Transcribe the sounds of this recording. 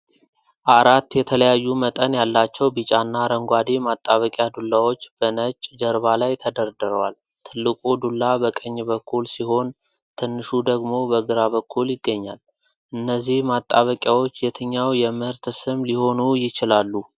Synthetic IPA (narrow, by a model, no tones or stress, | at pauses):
ʔaɾat̪ːjɛt̪ʰələjajːumət̪ʼənjalːat͡ʃːɛwbɨt͡ʃʼanːaɾəŋɡʷad̪imat̪ʼːaβəkʼjad̪ulːawo̞t͡ʃːb̥ənət͡ʃʼːd͡ʒəɾβalajt̪ʰəd̪əɾd̪ɨɾəwa̰l | t̪ʰɨlːɨkʼud̪ulːabəkʼəɲːbəkʰːulsiho̞n | t̪ʰɨnːɨʃud̪əɡmo̞bəɡɨɾaβəkʰːuljɪɡːəɲːa̰l | ʔɨnːəzːihmat̪ʼːaβəkʼjawo̞t͡ʃːjɛt̪ʰəɲːawjɛmɨhɨɾt̪sɨmliho̞nujɪt͡ʃɪlalːu